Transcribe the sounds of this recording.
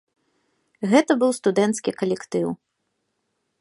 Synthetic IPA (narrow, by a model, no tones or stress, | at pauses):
ɣɛt̪ɐbɨwst̪ud̪ɛnt̪skʲikɐlʲɛkt̪ɨw